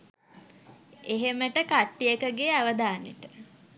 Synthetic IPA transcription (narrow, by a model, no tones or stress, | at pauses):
eɦeməʈəkaʈːijəkəɡeaʋəd̪aːnḛʈə